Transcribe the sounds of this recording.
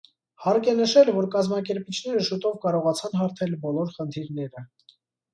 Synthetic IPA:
hɑɾkɛnəʃɛlvɔɾkɑzmɑkɛɾpit͡ʃʰnɛɾəʃut̪ɔvkɑɾɔʁɑt͡sʰɑnɦɑɾt̪ʰɛlbɔlɔɾχənt̪ʰiɾnɛɾə

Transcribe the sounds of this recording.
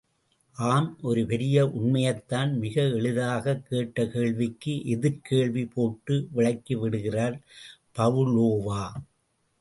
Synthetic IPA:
ʔaːmʔɔɾɯpɛɾɪjɐʔʊɳmɐjɐt̪ːaːnmɪɣɐɛɭɯðaːɣɐkːeːʈːɐkeːɭʋɪkːɯʔɪðɪɾkeːɭʋipoːʈːɯʋɪɭɐɪkːiʋɪɽɯɣɪraːɾpɐʋɯɭoːʋaː

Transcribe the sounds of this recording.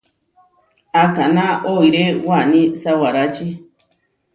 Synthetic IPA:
akanãoiɾewanĩsawaɾat͡ʃi

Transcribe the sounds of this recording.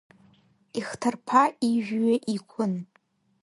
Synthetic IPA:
iχtʰɨrpʰaiʒᶣɥaʔikʷʰʊn

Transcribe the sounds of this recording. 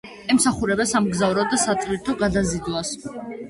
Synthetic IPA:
ɛmsaχuɾɛbasamɡzavɾɔd̪asat̪ʼviɾt̪ʰɔɡad̪azid̪was

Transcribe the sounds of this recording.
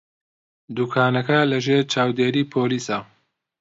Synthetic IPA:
d̪uːkʰaːnɐkɐlɐʒeːɾt͡ʃʰaːwd̪eːɾiːpʰoːliːsa

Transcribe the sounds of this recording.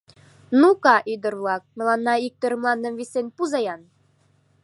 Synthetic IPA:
nukɑʔyd̪ə̆rβlˠɑk̚mɘ̆lˠɑnːɑik̚t̪ɤɾɤ̆mlˠɑnːə̆mvisenpuzɑjɑn

